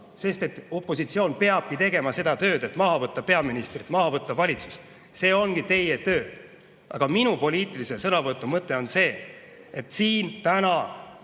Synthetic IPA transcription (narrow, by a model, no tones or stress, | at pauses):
se̞st̪e̞t̪ːˑo̞pːˑo̞sit̪sio̞ːnpe̞ɑb̥̚kit̪e̞ɡ̥e̞mɑse̞d̪̥ɑt̪ø̞ːd̪e̞t̪ˑmɑɦɑvɤt̪ˑːɑpe̞ɑminist̪rit̪ˑmɑɦɑvɤt̪ˑːɑvɑlʲit̪su̥s | se̞ːo̞nɡit̪e̞jet̪ø̞ː | ʔɑ̰ɡ̥ɑminupo̞lʲiːt̪ˑilise̞sɤnɑvɤt̪ːˑumɤt̪ːˑe̞o̞nse̞ː | e̞t̪ːˑsiːnt̪ænɑ